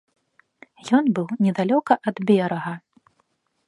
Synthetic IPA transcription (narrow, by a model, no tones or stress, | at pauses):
jɔnbɨwnʲɛd̪alʲɔkɐʔɐd̪bʲɛɾɐɣɐ